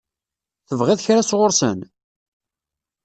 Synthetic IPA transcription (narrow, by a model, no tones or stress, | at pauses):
θəvʁɪðçɾasʁʊɾsə̰n